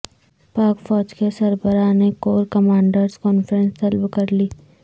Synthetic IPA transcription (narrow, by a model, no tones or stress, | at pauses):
paːkfɔːd͡ʒkesɐɾbəɾanekoːɾkɐmaːɳɖəɾskɔːnfəɾə̃nst̪ɐlbkɐɾliː